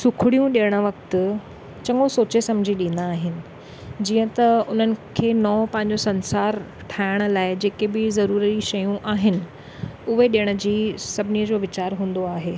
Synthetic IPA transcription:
sʊkʰɪɽijũɗijəɽ̃ə̆ʋɐkt̪ʊ | t͡ɕɐŋosoːt͡ɕesɐ̃md͡ʑʱiɗĩnd̪aːɦɪnɪ̆ | d͡ʑiːə̃t̪ɐʊn̤ənɪ̆kʰeːnɔːpɐ̃ɦɪɲ̆d͡ʑosɐ̃nsaːɾ | ʈʰaːɪɽ̃ə̆laːɪd͡ʑeːkebɪzɐɾuːɾiʃɐjũʔaːɦɪnɪ̆ | ʊɦeɗijəɽ̃ə̆d͡ʑiːsɐbʱɪnijəd͡ʑoːʋɪt͡ɕaːɾɦũːn̆d̪oaːɦeː

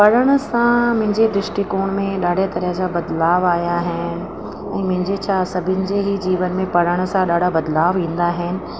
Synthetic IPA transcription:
pɐɾəɽ̃ʊ̆sãmʊ̃ɦɪ̃ɲd͡ʑed̪ɪʃʈɪkoːɽ̃mẽɗaːɖʱet̪ɐɾəɦd͡ʑabɐd̪laːʋaːjaɦɪnɪ̆ | ɛ̃ːmʊ̃ɦɪ̃ɲd͡ʑet͡ɕʰasɐbʱɪnɪ̆d͡ʑeːɦid͡ʑiːʋənmẽpɐɾəɽ̃̆sãɗaːɖʱabɐd̪laːʋʋĩːnd̪aɦɪnɪ̆

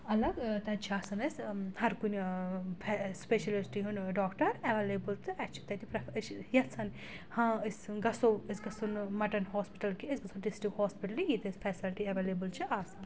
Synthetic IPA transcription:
ɐlɐɡt̪ɐt͡ʃʰiaːsɐnɐshɐɾkunpʰɛspeʃɐlisʈiɦunɖɔːkʈɐɾeʋeleːbɨlt̪ɨʔɐt͡ʃʰi̥t̪ɐt̪ʰipɾɐfsjɐsʰɐn | hãːɨsɡɐsowisɡɐsunmɐʈɐnhoːspiʈɐlkiesɡɐsʰunɖisʈɾikhoːspiʈɐlijit̪ɨspʰɛːsilʈiɐʋeleːbɨlt͡ʃʰiʔaːsɐn

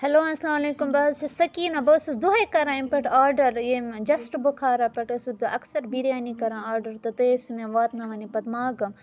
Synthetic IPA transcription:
hɐloːãslaːmɐleːkumbɐːsɐsɐkiːnãbɐsusd̪uɐkɐɾãːimpɐʈaːɾɖɐɾjemd͡ʒɐsʈbʊkʰaːɾapɐʈɐsɨd̪ʔɐksɐɾbiɾjaːnikɐɾãːaːɾɖɐɾt̪ɐt̪esumẽʋaːt̪naʋɐnipɐd̪maːɡɐm

